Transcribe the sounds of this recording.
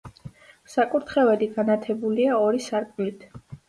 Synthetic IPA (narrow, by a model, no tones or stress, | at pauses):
sakʼuɾt̪ʰχɛvɛliɡanat̪ʰɛbuliaɔɾisaɾkʼvlit̪ʰ